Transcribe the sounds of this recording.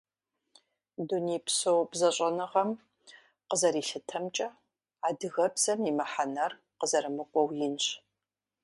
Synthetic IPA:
duniːpsowbzɐɕʼɐnɨʁɐm | qəzɐɾiːɬɨtʰɐmt͡ʃʼɐ | aːdɨɣɐbz̥ɐmimɐħanɐr | qəzɐɾɨmɨkʷʼɔwjɪnɕ

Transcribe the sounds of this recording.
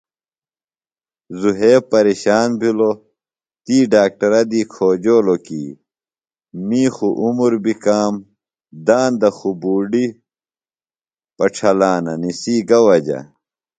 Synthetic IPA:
zuɦeːpɐɾeːɕaːnbʱilo | t̪iːɖaːk̚ʈɐɾɐd̪iːkʰoːd͡ʑoːlokḭː | miːxuʔumuɾbikaːm | d̪aːnd̪ɐxubuːɖi | pɐʈ͡ʂʰɐlaːnɐnisiːɡɐwɐd͡ʑɐ̰

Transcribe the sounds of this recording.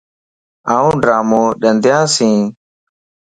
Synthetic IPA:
ãːũːɖɾaːmõːɗənd̪ʱjãːsĩː

